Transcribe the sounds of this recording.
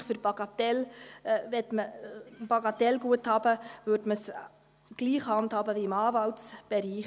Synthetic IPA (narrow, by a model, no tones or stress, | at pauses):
χfʏɾbɑɡ̥ɑt̪ɛlvɛtməb̥ɑɡɑt̪ɛlɡuəthɑːb̥əvøɾdməs | ɡ̥liːχhɑnthɑːbəviɪmɑːvɑltsb̥ɛɾiːχ